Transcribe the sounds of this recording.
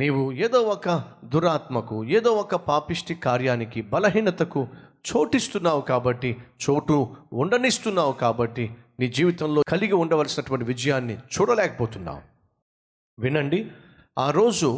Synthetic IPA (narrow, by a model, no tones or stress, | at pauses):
niːwueːd̪oːɔkɐd̪uɾaːt̪mɐkueːd̪oːɔkɐpaːpiʂʈikaːɾjaːnikibɐlɐɦiːnɐt̪ɐkut͡ʃo̞ːʈist̪unːaːwukaːbɐʈːit͡ʃoːʈuuɳɖɐnist̪unːaːwukaːbɐʈːi | niːd͡ʒiːʋit̪ɐmlo̞ːkɐliɡiuɳɖɐʋɐlsinɐʈuʋɐɳʈiʋid͡ʒɐjaːnːit͡ʃuːɽɐlɛːkɐ̥poːt̪unːa̰ːwu | ʋinɐɳɖi | aːɾo̞ːd͡ʒu